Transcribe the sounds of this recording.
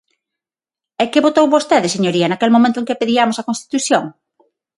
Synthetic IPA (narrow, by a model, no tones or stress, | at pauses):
ɛkɪβot̪owβost̪eðɪseɲoɾiɐnakelmomẽnt̪ʊeŋkepeðiamosɐkonst̪i̥t̪uθjoŋ